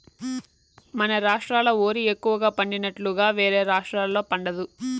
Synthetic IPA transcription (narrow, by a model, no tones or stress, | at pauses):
mɐnɐɾaːʂʈɾaːlɐoːɾiekːuʋɐɡaːpɐɳɖinɐʈluɡaːʋe̞ːɾe̞ːɾaːʂʈɾaːllo̞ːpɐɳɖɐd̪u